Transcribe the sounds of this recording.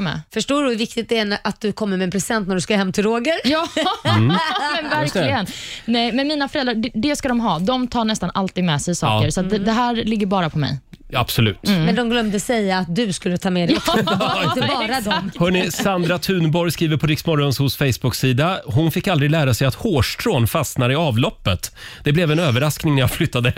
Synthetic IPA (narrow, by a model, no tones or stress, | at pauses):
mɛ̰fœʂʈoːɖɵhʉɾvɪk̚t̪ɪt̪̚d̪ɛænʔat̪̚d̪ɵkʰɔmːəɾmɛːnpʰɾɛsɪ̥ɛnt̪næɖʉskɵləɦɛmːt̪ʰɪlɾoːɡəɾjɑː | ɛnvæɾklɪɡənnɛjmɛnmiːnafœɾɛlɾaɖɛɖɛskad̪ɔmɦɑːd̪ɔmt̪ʰɑːɳɛst̪anʔalt̪iːd̪mɛsɛjsɑ̰ːkəɾsɔat̪̚d̪ɛd̪ɛɦæːɾlɪɡːəɾbɑːɾapʰɔmɛ̰j | ab̥sɔlʉ̟̰ːt̪mɛnd̪ɔmɡlœmd̪əsɛjːaːt̪̚d̪ɵskɵlːət̪ʰɑːmɛd̪ | t̪əɾad̪ɔhœɳɪsand̪ɾat̪ʰʉ̟ːnbɔɾjskɾiːvəɾpʰɔɾɪksmɔɾɔnshʊsfɛjsbʊksiːd̪aɦʊnfɪkːald̪ɾɪɡlæːɾasɛjat̪hoːʂʈʰɾoːnfasnaɾɪɑːvlɔpːət̪d̪̥ɛblɛvɛnøːvəɾasknɪŋnæɾjaflʏt̪ːad̪ə